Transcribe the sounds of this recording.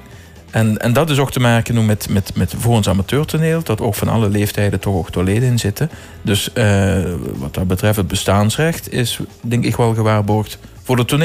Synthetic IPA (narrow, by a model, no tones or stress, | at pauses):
ɛnɛ̰ndɑtɪsok̚təmaːkənumɛtmɛtmɛtvoːɹənsamatøːɹtuneːlˠdɑto̰wkfɑnɑ̰ləleːftɛjdətɔxoktoleːdəɪnzɪtə | dɵsəʋɑt̚dɑbətrɛftəd̚bəstaːnsrɛxtɪ̰sdɛŋkɪkʋɛlˠɣəʋaːrbɔɹxtvʊːɹdətunː